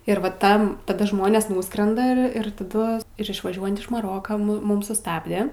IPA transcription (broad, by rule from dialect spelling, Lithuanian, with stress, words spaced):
ɪr ʋɐ ˈtɐm tɐˈdɐ ˈʒmoːnʲeːs ˈnuːskrʲɛndɐ ɪr ɪr tɐˈdʊ ɪr ɪʃʋɐˈʒʲuɔjɛnt ɪʃ mɐˈroːkɐ mʊ ˈmʊm sʊˈstɑːbʲdʲɛ